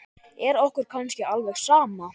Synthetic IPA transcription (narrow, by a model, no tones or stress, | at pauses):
ɛɾɔhkʏɾ̥kʰawnscɪalvɛxsaːma